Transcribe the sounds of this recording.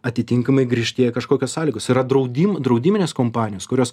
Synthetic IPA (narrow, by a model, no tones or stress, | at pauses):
ɐt̪ʲɪt̪ʲɪŋkɐmɐɪɡɾʲiːʃʲt̪ʲeɛjɛkɐʃkoːkʲoːssɑːlʲɪːɡosɪɾɐd̪ɾɐʊd̪ʲiːmd̪ɾɐʊd̪ʲiːmʲɪnʲeːskoːmpɑːnʲɪjoːskʊɾʲoːs